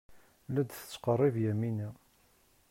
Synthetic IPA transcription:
læd̪θə̥t͡sːqərˤːɪvjæmːinæ

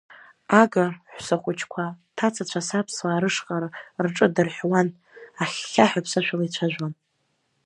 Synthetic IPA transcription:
aɡaħʷsaχʷʊt͡ʃʰkʷʰatʰat͡sʰat͡ɕʷʰasapʰswaːɾɨʂqʼaɾɨrʈ͡ʂʼɨdɨrħwan | aχʲːaħᶣapʰsaʃʷᶣalajt͡ɕʷʰaʒᶣʷan

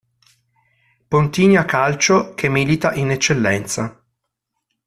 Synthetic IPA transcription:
pont̪iːnjakalt͡ʃokʰemːilit̪aʔinet͡ʃːelːɛnt̪sa

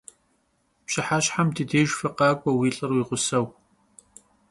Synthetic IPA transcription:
pɕɪħaɕħamtʰɨdʰeːʒfɨqɑːkʷʼɔwiːɬʼɨrwiːʁʷʊsɐw

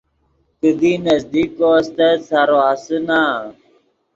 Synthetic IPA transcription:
kəd̪iːnəzd̪iːkoːst̪eːsaːɾoːɦəsənaː

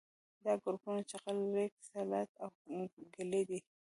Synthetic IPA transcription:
d̪ɑɡʊɾpunot͡ʃaqalɾek̚salat̪awɡaled̪i

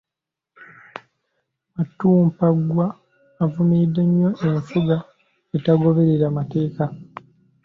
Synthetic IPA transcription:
matːuːmpaɡwaː | vumidːeɲːo̞ʔeɱfuɡa | etaɡo̞βe̞ɾe̞ɾamate̞ːka

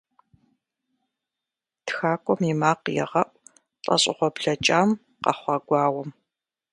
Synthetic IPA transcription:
txaːkʷʼɔmimaːqjɛ̰ʁɐʔʷ | t͡ɬʼɐ̰ɕʼɪʁʷɔbɮɐt͡ʃʼaːm | qɐ̰χʷɑɡʷɑːwɔm

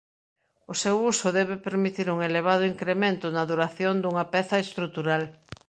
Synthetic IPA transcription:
ʊsewusʊðɛβɪpeɾmit̪iɾuŋeleβ̞að̞ʊiŋkɾemẽnt̪ʊnɐðuɾaθjond̪uŋɐpɛθɐest̪ɾut̪uɾal

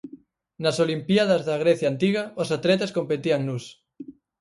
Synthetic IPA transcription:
nasolimpjaðazðaɣ̞ɾeθjaːnt̪iɣ̞aosat̪let̪eskompet̪iaŋnus

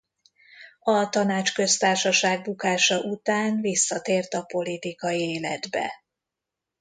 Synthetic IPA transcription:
ɒt̪ɒnaːt͡ʃkø̞st̪aːrʃɒʃaːɡ̚bukaːʃɒʔut̪aːnvisːɒt̪eːrt̪ɒpo̞lit̪ikɒjieːlɛ̰d̪bɛ̰

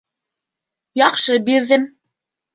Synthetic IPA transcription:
jɑqʃɤbiɾðɘm

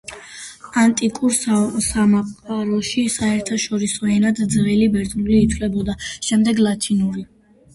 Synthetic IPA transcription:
ant̪ʼikʼuɾssamaqʼaɾɔʃisaɛɾt̪ʰaʃɔɾisɔɛnad̪d̪zʁɛlibɛɾt̪ʼnuliːt̪ʰvlɛbɔd̪aʃɛmd̪ɛɡlˠat̪ʰinuɾi

